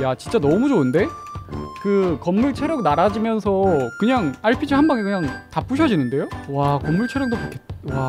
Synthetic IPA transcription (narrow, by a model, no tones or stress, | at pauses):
jat͡ɕint͡ɕ͈anʌmud͡ʑoɯnde̞ | kɯkʌmːuɭt͡ɕʰeɾjʌɡ̚naɾad͡ʑimjʌnsʰʌkɯɲaŋaɭpʰid͡ʑʰiɦanbaŋekɯɲaŋtap͈uɕʰʌd͡ʑinɯnde̞jowakʌmːuɭt͡ɕʰejʌɡ̚dokakʰetwa